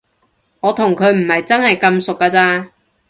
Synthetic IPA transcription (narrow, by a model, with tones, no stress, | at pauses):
ŋɔː˨˧t̪ʰʊ˨˩ŋkʰɵ˨˧ɥm̩˨˩hɐ˨jt͡sɐ˥nhɐ˨jkɐ˧msʊ˨kːaː˧t͡saː˧